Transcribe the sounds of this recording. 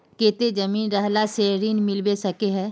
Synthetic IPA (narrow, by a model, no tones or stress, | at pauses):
keːt̪ed͡ʒɐmiːnɾɛɦlaseːɾiːnmɪlbesɐkeɦɛ̃ː